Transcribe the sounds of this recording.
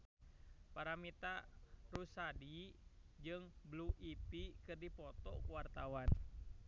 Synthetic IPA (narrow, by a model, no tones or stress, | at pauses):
paɾamit̪aɾusadid͡ʒɨŋbluʔipikɨrdipɔt̪ɔ̰kuwart̪awan